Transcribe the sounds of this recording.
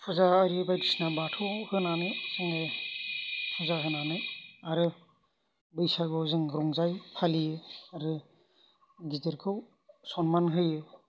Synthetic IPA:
pʰɔzaːɾibajtisnabatʰɔwhɯnanɯz̥ɯŋɯ | pʰɔzaɦɯnanɯaɾɯ | bɯjsaɡɯwzɯŋɾɔŋzajpʰaliɯaɾɯ | ɡitɯɾkʰɯw | sɔnmanɦɯjɯ

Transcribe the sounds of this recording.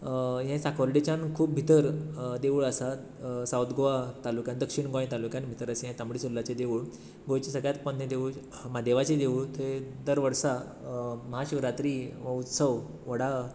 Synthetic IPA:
jɛ̃sakoɾɖit͡ɕãnkʰuːp̚bʱit̪əɾd̪eʋuɭəsa | sawt̪ɡoʋat̪alukjãnd̪əkʂiɳɡoẽt̪alukjãnbʱit̪əɾəseɦjãt̪amɽisulːat͡ɕed̪eʋuɭ | ɡojt͡ɕesəɡɭjat̪pɔnẽd̪eʋuɭ | mad̪eʋat͡ɕed̪eʋuɭt̪ed̪əɾʋəɾsa | məɦaɕʋɾat̪ɾiʋəut̪səʋ | ʋəɽa

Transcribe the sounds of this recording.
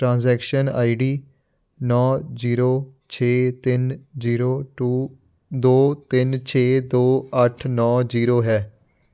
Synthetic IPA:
ʈɾãːnzɛːkʃəna̰ːiɖiː | nɔːziːɾoːt͡ʃʰeːt̪ɪnziːɾoːʈuː | d̪oːt̪ɪnt͡ʃʰeːd̪oːəʈʰnɔːd͡ʒiːɾoːɦɛː

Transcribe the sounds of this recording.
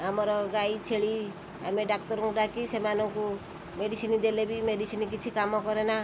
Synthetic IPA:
amɔɾɔɡajt͡ʃʰeɭi | a̰meɖak̚tɔɾɔŋkuʈakisemanɔŋku | meɖisinid̪elebimeɖisinikit͡ʃʰikamɔkɔɾena

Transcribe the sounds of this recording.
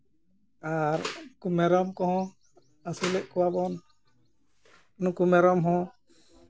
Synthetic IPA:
aɾkumɛɾɔmkɔɦɔ̃ | asulɛʔkɔwabɔn | nukumɛɾɔmɦɔ̃

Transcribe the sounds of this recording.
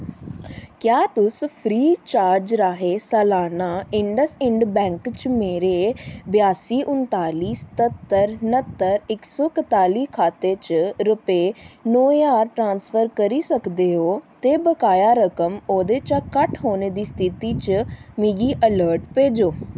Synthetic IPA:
kjaːt̪ʊspʰɾiːt͡ʃaːɾd͡ʒɾaːɦeːsɛːlaːnaːɪɳɖəsɪɳɖbɛ̃ːŋkt͡ʃmeːɾeːbjaːsiːʔʊnt̪aːliːsə̥t̪ət̪ːəɾnət̪ːəɾɪksɔːkət̪aːliːkʰaːt̪ːeːt͡ʃɾʊpeːnoːaːɾʈɾãːnsfʰəɾkəɾiːsəkd̪eːɦoːt̪eːbəkaːjaːɾəkəmoːd̪eːt͡ʃaːkəʈɦoːneːd̪iːst̪ʰɪt̪iːt͡ʃmiːɡiːʔələːɾʈpeːd͡ʒoː

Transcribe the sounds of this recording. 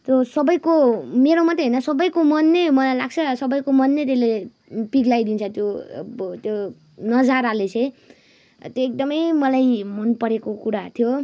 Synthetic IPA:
t̪ʌsʌbʌjkomeɾomʌt̪ːeɦʌjnʌsʌbʌjkomʌnːejmʌlajlaɡ̚t͡sʰʌsʌbʌjkomʌnːet̪ele | piɡlajd̪int͡sʰʌt̪jot̪jo | nʌd͡zaɾalet͡sʰʌ̃j | t̪joek̚d̪ʌmʌjmʌlajmʌnpʌɾekokuɾat̪ʰjo

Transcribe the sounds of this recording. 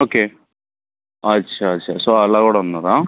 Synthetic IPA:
oːkːe | ɐɕʰɐːɕʰɐ̰soɐlːaːɣuːɽɐʋɐnːɐðaː

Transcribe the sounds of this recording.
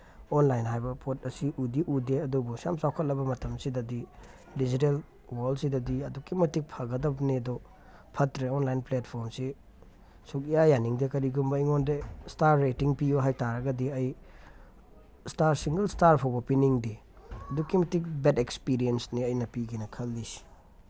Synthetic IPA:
onlajnɦajbɐpʰot̚ɐsiʔudiʔudeɐdubusa̰msawkʰɐt̚lɐbɐmɐtʰɐmsidɐdi | did͡ʒitel | waldsidɐdiɐdukːimɐtik̚pʰaɡɐdɐbnedɔ | pʰɐtɾeonlajnplet̚pʰoɾmsi | suk̚ijajaniŋdekɐɾiɡumbɐiŋondestaɾːetiŋpijoɦajtaɾɐɡɐdiɐj | staɾsiŋɡɐlstaɾpʰowbɐpiniŋdi | ɐdukːimɐtik̚betekspiɾiensniɐjnɐpiɡinɐkʰɐlːisi̥

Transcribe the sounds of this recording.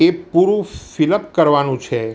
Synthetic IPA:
epuɾũfiləpkəɾʋanũt͡ʃʰe

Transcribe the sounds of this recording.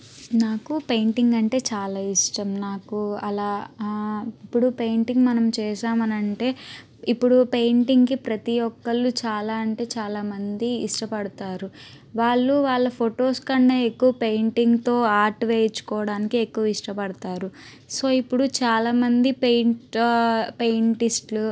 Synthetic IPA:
naːkupejɳʈiŋɡɐɳʈe̞ːt͡ʃaːlaːiʂʈɐmnaːkuɐlaː | ipːuɽupe̞jɳʈiŋɡmɐnɐmt͡ʃɛːʃaːmɐnɐɳʈe̞ː | ipːuɽupe̞jɳʈiŋkipɾɐt̪iɔkːɐlːut͡ʃaːlaːɐɳʈe̞ːt͡ʃaːlaːmɐnd̪iːʂʈɐpɐɽut̪aːɾu | ʋaːɭːuʋaːɭːɐpʰoʈoːskɐɳɖɐekːuʋɐpe̞jɳʈiŋɡt̪o̞ːaːɾʈʋeːjt͡ʃːu̥kɔːɐɽaːnikiekːuʋɐiʂʈɐpɐɽɐt̪aːɾu | so̞ːipːuɽut͡ʃaːlaːmɐnd̪ipejɳʈ | pe̞jɳʈisʈlu

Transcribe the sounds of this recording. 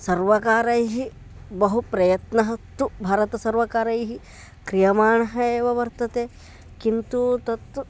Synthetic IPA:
sɐɾʋɐkaːɾɐjɦi | bɐɦupɾɐjɐt̪nɐɦɐt̪ːubʱaːɾɐt̪ɐsɐɾʋɐkaːɾɐjɦi | kɾijɐmaːɳɐɦɐeːʋɐʋɐɾt̪ɐt̪eː | kint̪ut̪ɐt̪

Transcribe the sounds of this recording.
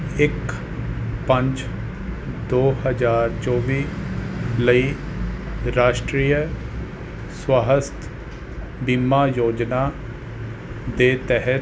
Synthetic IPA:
ɪk | pəɲt͡ʃ | d̪oːɦəd͡ʒaːɾt͡ʃɔːʋiː | ləiː | ɾaːʃʈɾiːjə | swaɦəst̪ʰ | bimːaːjoːd͡ʒnaː | d̪eːt̪ɛɦə

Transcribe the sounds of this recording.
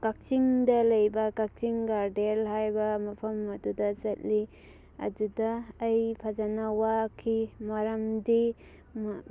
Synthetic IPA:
kak̚t͡ʃiŋdɐlɐjbɐkak̚t͡ʃiŋɡaɾdelɦajbɐmɐpʰɐmɐdudɐzɐt̚li | ɐ̰dudɐːjpʰazanawakʰimaɾɐmdi | m

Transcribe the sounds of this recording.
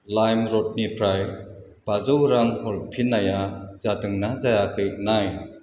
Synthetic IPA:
lajmɾɔt̚nipʰɾaj | b̥azuwɾaŋhɔlpʰinajazatɯŋnazajakʰɯjk̚naj

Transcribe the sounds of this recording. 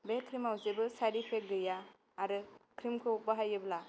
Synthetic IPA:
bekʰɾimawzebɯsaɾipʰek̚ɡɯjaː | ɾɯkʰɾimkʰɯubaɦajɯbla

